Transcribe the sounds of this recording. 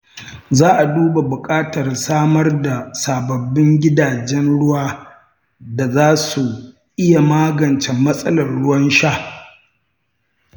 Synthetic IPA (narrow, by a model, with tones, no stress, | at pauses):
zaː˦ʔa˨duː˦ba˨bʊ˨kʼaː˦tɐ˨rsaː˦mɐ˦rda˨saː˨bɐ˨bːɪ˦ŋɡʲɪ˦daː˨d͡ʒɛ˦nɽʊ˦waː˦ | da˨zaː˦su˨ | ʔɪ˦ja˨maː˦ɡɐ˨nt͡ʃɛ˨mːɐ˦sʼɐ˦lɐ˨rɽʊ˦wɐ˦nʃaː˦